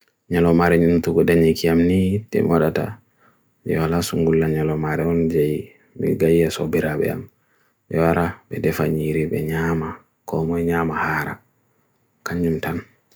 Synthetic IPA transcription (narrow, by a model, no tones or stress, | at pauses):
ɲalɔmaɾɛɲuntuɡɔdaɲikiamnitɛ̰mwaɗata̰ | jɛ̰walasuŋɡulːaɲalɔmaɾɛɔnd͡ʒaj | mḭɡajːasɔbiɾaɓɛ̰a̰m | jɛwaɾabɛdɛfaɲiɾibɛ̰ɲama | kɔmɔjɲamahaɾa̰ | kaɲumtan